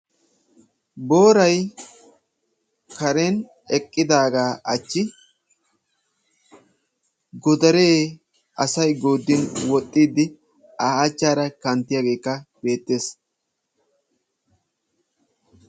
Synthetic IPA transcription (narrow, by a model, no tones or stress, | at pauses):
bo̞ːɾɐj | kɐɾen | ɛkʼːɪd̪aːɡaːʔɐt͡ʃːɪ | ɡɔd̪ɐɾeː | ɐsɐjɡoːd̪ːɪnwɔt̪ʼːiːd̪ːɪ | aːaːt͡ʃːaːɾɐkɐnt̪ːɪjaːɡe̞ːkːɐb̥e̞ːt̪ːe̞ːs